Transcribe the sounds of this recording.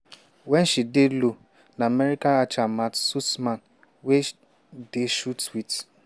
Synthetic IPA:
wɛn̩ʃidelu | naameɾikaat͡ʃamatsusman | we | deʃutwit

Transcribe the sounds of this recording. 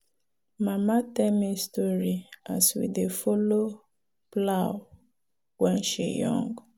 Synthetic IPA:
mamatɛlmistɔɹia̰swḭdefolo | plaw | wɛ̃nʃḭjɔ̰̃ŋɡ

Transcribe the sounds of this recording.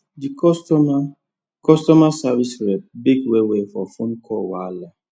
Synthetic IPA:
dikɔstɔma | kɔstɔmasavisɹɛp̚biɡwewefɔfõnkʰɔwala

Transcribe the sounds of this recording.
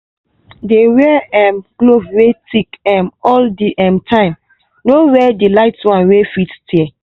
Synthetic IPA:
dewɛɛmɡ̥lovwetikɛ̃mɔldiʔɛ̃mtʰãɪ̃m | nowɛdilaɪtwãnwefittʰɛ

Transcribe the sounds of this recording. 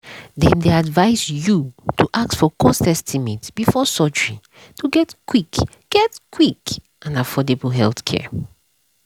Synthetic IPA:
dɛ̃ndeadvaɪsjutʰuʔak̚tsfɔkʰɔ̃stɛ̃stʰimitb̥ifɔsɔd͡ʒɹĩ | tʰuɡɛtkwik | ɡ̥ɛtkʰwik | ʔãnafɔdebəlɦɛlθkʰɛ̰

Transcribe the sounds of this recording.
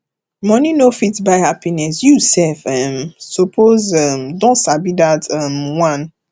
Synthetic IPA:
mɔ̃ninofitbaɪhapinɛsjusɛlfɛmsopʰozɛmdɔ̃nsabidatʰɛmwãn

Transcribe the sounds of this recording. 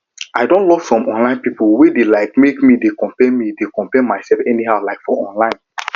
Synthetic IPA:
aɪdõntlɔv̥sɔ̃mʔɔ̰̃nlãɪ̃npipowedelaɪk̚mekmidekɔ̃mpɛmidekɔ̃mpɛmaɪsɛlfɛniɦaʊlaɪkfɔɔ̰̃nlãɪ̃n

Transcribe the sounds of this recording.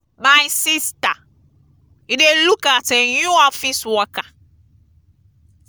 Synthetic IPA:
mãjsista | iɖelukatɛɲũafĩswɔkã

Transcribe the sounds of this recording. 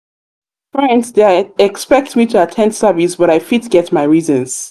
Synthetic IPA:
fɹɛ̃ndsðeɛkspɛk̚tmitʰuətʰɛ̃nd̥sɜvisbʌɾaɪfitɡ̥ɛtmaɪɹizə̃nz̥

